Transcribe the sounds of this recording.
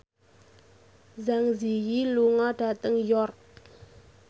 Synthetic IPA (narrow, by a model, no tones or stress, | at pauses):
zaŋzijiluŋɔɖ̥a̤t̪əŋjɔrk̚